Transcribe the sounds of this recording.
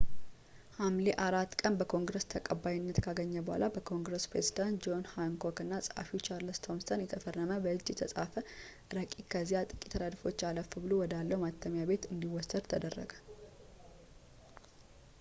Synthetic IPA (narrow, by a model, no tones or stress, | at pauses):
hamleʔaɾat̪ːkʼənbəkʰo̞ŋɡɾəst̪ʰəkʼəbːajɪnːət̪kʰaɡəɲːəbəha̰lʔabəkʰo̞ŋɡɾəspɾezid̪ant̪d͡ʒo̞nhaŋkʰokɨnːasʼɨha̰fit͡ʃʰaɾlɨst̪ʰo̞msənjɛt̪ʰəfərːəməbəɨd͡ʒjɛt̪ʰəsʼafə | ɾəkʼikʰəzːijat̪ʼɨkʼit̪ʰːəd̪ad̪fo̞t͡ʃːaləfɨbɨlowɔd̪alːəwmat̪ʰːəmjabe̞t̪ɨnd̪iwɔsːəd̪t̪ʰəd̪ərːə̰ɡə